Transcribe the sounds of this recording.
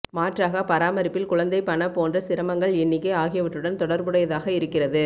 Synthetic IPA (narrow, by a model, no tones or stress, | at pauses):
maːʈraːɣɐpɐɾaːmɐɾɪpːɪlkʊɻɐnd̪ɐɪpɐɳɐpoːndrɐsɪɾɐmɐŋɡɐɭɛnːɪkːeːaːɣɪjɐʋɐʈːɯɽɐnt̪ɔɽɐɾbɯɽɐjɐðaːɣɐɪɾɯkːɪrɐðɯ